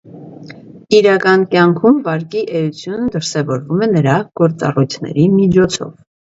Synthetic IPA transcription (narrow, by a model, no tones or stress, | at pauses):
iɾɑkɑnkjɑŋkʰumvɑɾkiʔɛjut͡sʰjunəd̪əɾsɛvɔɾvumɛnəɾɑɡ̥ɔɾt͡sɑ̰rujt͡sʰnɛ̰ɾimid͡ʒʰɔt͡sʰɔ̰v